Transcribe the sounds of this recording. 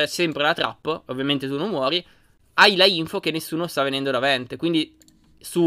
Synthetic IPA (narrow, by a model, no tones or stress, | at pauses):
ɛsɛmpɾelat̪ɾʔa̰pːovːjament̪et̪unomːwɔːɾi | ajlaiɱfok̟enːesːuːnost̪avːenɛnd̪od̪avɛnt̪ekwind̪i | su